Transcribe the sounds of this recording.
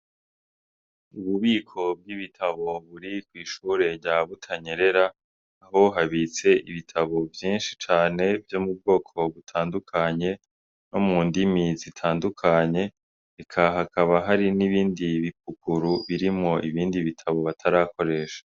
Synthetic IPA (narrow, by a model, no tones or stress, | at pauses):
uβuβiːkʰo̞b̚ɡiβitʰaβo̞βuɾikwiːʃuːɾe̞ɟaβutʰaɲeɾe̞ɾaː | ɦo̞ɦaβit͡se̞ʔiβitʰaβo̞vjiːnʃi̥t͡ʃaːne̞vjo̞mub̚ɡo̞ːkʰo̞βutʰaːndukʰaɲe̞ | no̞muːndimizitʰaːndukʰaɲe̞ | ikʰaɦakaβaɦaɾiniβiːndiβip̚ukuɾuβiɾimŋo̞ʔiβiːndiβitʰaβo̞βatʰaɾaːko̞ɾe̞ːʃḁ